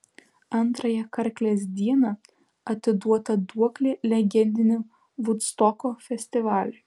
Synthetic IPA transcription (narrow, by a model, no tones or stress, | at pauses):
ɐnˑt̪ɾɐjɛkɐɾʲklʲeːs̬d̪ʲiɛnɐ | ɐt̪ʲɪd̪uɔt̪ɐd̪uɔklʲelʲɛɡʲɛnʲd̪ʲɪnʲɪ | ʋʊt̪st̪ɔkoːfʲɛsʲt̪ʲɪʋɑːlʲʊ